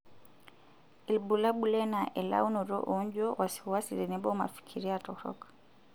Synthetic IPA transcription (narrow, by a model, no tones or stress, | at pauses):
ilbulaɓulɛnaʔɛla̰unɔɾɔ̰ʔɔɲd͡ʒɔwasi̥wasiɾinɛbɔma̰fi̥kʰiɾiatɔɾɔ̰k